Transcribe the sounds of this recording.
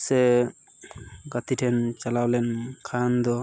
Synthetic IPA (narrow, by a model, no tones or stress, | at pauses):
sɛ | ɡat̪iʈʰɛnt͡ʃalawlɛnkʰand̪ɔ